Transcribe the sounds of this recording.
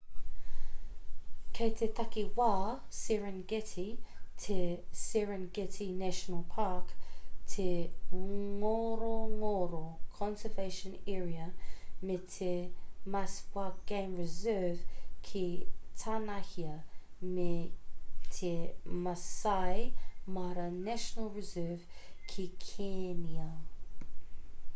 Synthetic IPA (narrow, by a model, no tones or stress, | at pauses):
kʰejt̪ʰet̪ʰɐkiwaːsɪɹənɡɛtʰitʰesɪɹənɡɛtʰinæʃənəlˠpʰaɹktʰe | ŋoɾoŋoɾokʰɔ̃nsəveɪʃə̃nɛːɹiɐmetʰemaswak̚ɡ̥ẽɪ̃mɹɪzɜːv̥kʰitʰanɐhiə | me | tʰemɐsajmɐɾɐnæʃənəlˠɹɪzɜv̥kʰikʰeniɐ